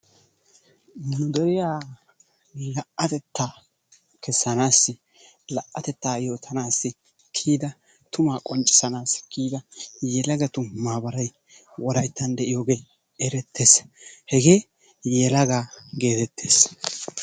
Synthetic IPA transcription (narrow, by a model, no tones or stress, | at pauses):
nɐnʊd̪ɔɾɪjaː | lɐʔʔɐt̪ɛt̪ːaː | kɛsːɐnaːsːɪ | lɐʔʔːɐt̪ɛt̪ːaːjo̞ːt̪ʰːɐnaːsːɪ | kʰiːd̪ɐ | t̪ʊmaːkʼɔnt͡ʃʼɪ̥sɐnaːskʰiːd̪ɐjɛlɐɡɐt̪ʊmmmːaːbɐɾɐj | wɔd̪ɐjt̪ːɐnd̪ɛʔɪjoːɡe̞ː | ɛɾɛt̪ːe̞ːshɛɡe̞ː | jɛlɐɡaːɡe̞ːt̪ɛt̪ʰːeːs